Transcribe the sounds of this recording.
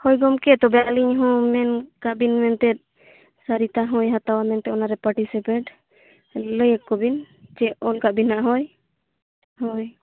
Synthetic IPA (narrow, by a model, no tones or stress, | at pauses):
hɔjɡɔmkɛt̪ɔbɛaliɲɦɔ̃mɛnkaʔbinmɛnt̪ɛt̪̚ | saɾit̪aɦɔ̃jɦat̪awamɛnt̪ɛɔnaɾɛpaɾʈisipeʈ | ləjəkkːɔbin | d͡ʒɛɔlkaʔbinaʔɦɔj | hɔj